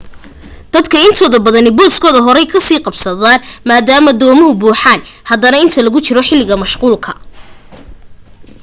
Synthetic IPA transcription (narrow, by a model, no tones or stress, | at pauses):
d̪̥ɐd̪kʰɐɪnt̪ʰɔːðɐbɐðɐnɪbɔːskʰɔːðɐɦɔɾɛjkʰɐsiːqɑbsɐðaːnmaːd̪aːmɐd̪ɔːmɔɦʊbuːħaːnhɐðɐnɐɪnt̪ʰɐlɐɣʊt͡ʃɪɾɔħɪlɪɣɐmɐʃquːlkʰɐ̥